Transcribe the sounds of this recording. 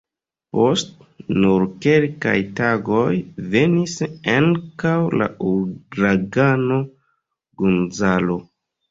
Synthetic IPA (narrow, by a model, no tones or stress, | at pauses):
po̞st | nuɾke̞lka̰jtaɡo̞jve̞nisaŋkawla̰uɡɾaɡano̞ | ɡunzalo̞